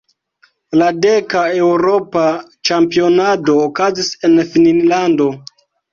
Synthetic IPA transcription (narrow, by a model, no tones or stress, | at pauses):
ladekae̞wɾo̞pat͡ʃampio̞nado̞ːkazise̞nfininlando̞